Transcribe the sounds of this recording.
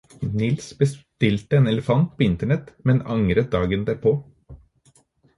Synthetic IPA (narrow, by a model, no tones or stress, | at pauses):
nɪlsbəst̪ɪlt̪əeːnɛləfɑnt̪̚pʰoːɪnt̪əɳɛt̪mɛnɑŋɾət̪̚d̪ɑːɡənd̪æːɾpʰoː